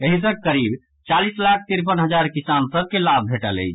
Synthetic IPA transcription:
eɦis̬ə̃kəɾib | t͡ʃalislak̚ʰt̪iɾpənɦəd͡ʒaɾkisansəb̚kelab̚bʱeʈələ̰jt͡ʃʰ

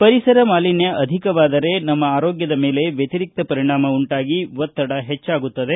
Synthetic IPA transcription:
pɐɾisɐɾɐmaːlinjɐʔɐd̪ʱikɐʋaːd̪ɐɾe̞nɐmːɐaːɾoːɡjɐd̪ɐme̞ːle̞ʋjɐt̪iɾik̚t̪ɐpɐɾiɳaːmɐuɳʈaːɡiʋɔt̪ːɐɽɐɦet͡ʃːaːɡut̪ːɐd̪e̞

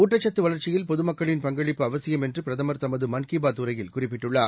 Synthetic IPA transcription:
uːʈːɐt͡ʃːɐt̪ːɯʋɐɭɐɾt͡ʃɪjɪlpɔðɯmɐkːɐɭɪnpɐŋɡɐɭɪpːɯɐʋɐsɪjɐmɛndrɯpɪɾɐðɐmɐɾt̪ɐmɐðɯmɐnkibaːt̪ːɯɾɐjɪlkʊrɪpːɪʈːɯɭːaː

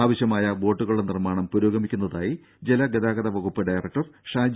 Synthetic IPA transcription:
aːʋɐɕjɐmaːjɐbo̞ːʈːuɣɐɭuɽenirmaːɳɐmpuɾoːɡɐmikʲːunːɐðaːji | d͡ʑelɐɡed̪aːɡɐd̪ɐʋɐɡupːɨɖɐjrɐk̚ʈɐrʂaːd͡ʑ

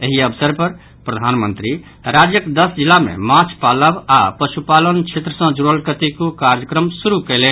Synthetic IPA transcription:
eɦiəbsəɾpəɾ | pɾəd̪ʱanmənt̪ɾi | ɾad͡ʒjəkd̪əsd͡ʒilːamḛmat͡ʃʰpaləbapəʃupalənt͡ʃʰet̪ɾəsə̃d͡ʒuɾəlkət̪ikokaɾjəkɾəmsuɾukɛɪlen

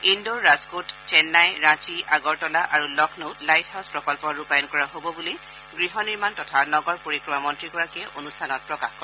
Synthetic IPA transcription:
indoɹazkott͡ʃɛnːajɹãt͡ʃiaɡɔɹtɔlaʔaɹulɔkʰnoʊtlajthaʊspɹɔkɔlpɔɹupajɔnkɔɹaɦobɔbuli | ɡɹiɦɔniɹmantɔtʰanɔɡɔɹpoɹikɹimamɔntɹiɡɔɹakiɛʔonustʰanɔt̚pɹɔkaxkɔɹ

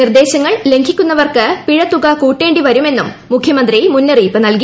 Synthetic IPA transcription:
nird̪e̞ːɕɐŋːɐɭle̞ŋɡʱikʲːunːɐʋɐrkɨpiɻɐt̪ːuɣakuːʈːe̞ːɳɖiʋɐɾume̞nːumːukʰjɐmɐnd̪rimunːɐriːpːɨnɐlki

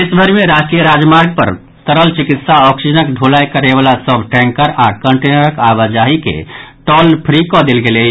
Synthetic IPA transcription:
esbʱəɾimeɾad͡ʒʈijəɾad͡ʒmaɾɡ̚pə̰ɾ | t̪əɾəlt͡ʃikit̪saɔksid͡ʒənəkɖʱolajkəɾebalasəbʱʈɛ̃ŋkəɾakəɳʈenəɾəkabad͡ʒaɦikḛʈɔlpʰɾikɔd̪elɡele

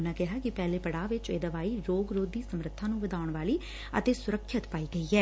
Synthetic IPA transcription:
nãːkɪɦaːkɪpɛːleːpəɽaːʋɪt͡ʃḛːd̪əʋaːiːɾoːɡɾoːd̪iːsəmɾət̪ʰːãːnũːʋəd̪aːʊɳʋaːliː | ə̰t̪eːsʊɾəkʰːət̪paːiːɡəiːɛː

